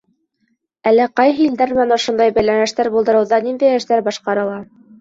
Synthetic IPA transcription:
ælːæqɑjɦɤild̪æɾmænŏʃund̪ɑjbæjlænæʃt̪æɾbulˠd̪ɤ̆ɾɤ̆wðɑnind̪æjæ̆ʃt̪æɾbɑʃqɑɾɤ̆lˠɑ

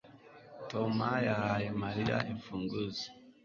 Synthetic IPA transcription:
tomajahajemaɾija̰ʔiɱfuːŋɡuze̥

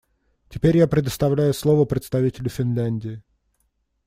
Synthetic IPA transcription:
tʲɪpʲeɾʲjapɾʲɪd̪əst̪ɐvlʲæjʊslˠovəpɾʲɪt̪st̪ɐvʲitʲɪlʲʊfʲɪnlʲænʲdʲɪɪ

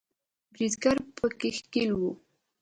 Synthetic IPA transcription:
bɾizɡaɾpəkɪxkɪlwu

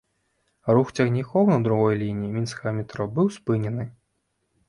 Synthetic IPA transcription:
ruxt͡sʲɐɣnʲixɔwnɐd̪ɾuɣɔjlʲinʲijimʲinsxɐmʲɛt̪ɾɔbɨwspɨnʲɛnɨ

